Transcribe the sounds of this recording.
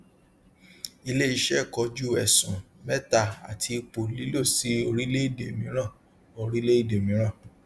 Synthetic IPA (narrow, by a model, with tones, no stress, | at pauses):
i˧le˦i˧ʃɛ˦˨kɔ˧˦d͡ʒu˦˨ɛ˨sũ˨mɛ˦ta˦˨a̰˨tʰi˧k͡po˨li˨˦lo˦˨si˨˦o˧ɾi˦le˦i˦˨de˨mĩ˦ɾ̃ã˦˨ | o˧˨ɾi˦le˦i˦˨de˨mĩ˨˦ɾ̃ã˦˨